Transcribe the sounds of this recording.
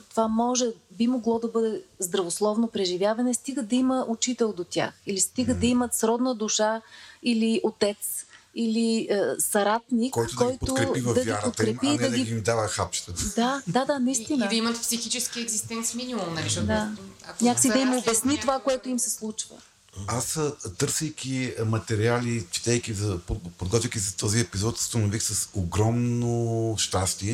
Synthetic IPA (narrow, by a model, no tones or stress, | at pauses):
t̪ovamɔʒɛbimoɡlˠɔd̪ɐbɤd̪ɛzd̪ɾɐvoslˠɔvnopɾɛʒivʲjavɐnɛst̪iɡəd̪ɐiməʔʊt͡ʃit̪ɛlˠd̪ot̪ʲja̰xilist̪iɡəd̪ɐimət̪sɾɔd̪nəd̪ʊʃailiʔot̪ɛt̪s | iliəsɐɾat̪nikɔj̪ɔjt̪okɾɛid̪ɐiɾpot̪kɾɛpid̪ɐɡʲimd̪avəxapʃt̪əd̪ad̪ad̪anɐist̪inəd̪ɐimɐt̪psixit͡ʃɛskiɛɡzist̪ɛnt̪sminimumnɐlid̪aɐknɲakə̥sid̪ɐimobɛsnit̪ovakoɛt̪ʊimsɛslˠut͡ʃvə̰ | ast̪ɤɾsəjkʲimɐt̪ɛɾialit͡ʃi̥t̪ɛjkʲizɐpopod̪ɡɔt̪vʲijkʲisɐt̪ɔziɛpizɔt̪st̪ɐnovixsɐsoɡɾɔmnoʃt̪ast̪iɛ